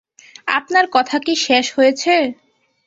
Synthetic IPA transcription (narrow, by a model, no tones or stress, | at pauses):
a̰pnaɾkɔt̪ʰakiʃeʃhojet͡ɕʰe